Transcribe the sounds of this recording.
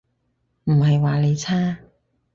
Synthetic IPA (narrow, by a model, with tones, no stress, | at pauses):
m̩˨˩hɐ˨jwaː˨le˨˧jt͡sʰaː˥